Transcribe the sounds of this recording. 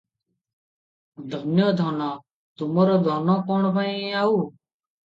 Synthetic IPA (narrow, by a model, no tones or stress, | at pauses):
d̪ʱənjɔːd̪ʱɔːnɔː | t̪ʊmɔːɾɔːd̪ʱɔːnɔːkɔːɳpaĩaːuː